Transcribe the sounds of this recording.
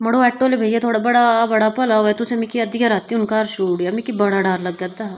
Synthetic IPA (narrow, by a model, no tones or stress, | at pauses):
mɐɽoɛːʈːoːlebʱɐijet̪ʰoːɽabɐɽabɐɽapɐlaoɛt̪ʊsemikiɐd̪ikaɾaːt̪ːiʊnkaːɾʃuːɽjamikibɐɽaɖaːɾlɐɡɡɐd̪aː